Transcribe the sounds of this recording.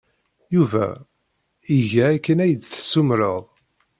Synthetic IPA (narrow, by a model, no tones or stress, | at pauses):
juvæ̰ | iʝæːkːənæjəd̪θə̥sːumɾəðˤ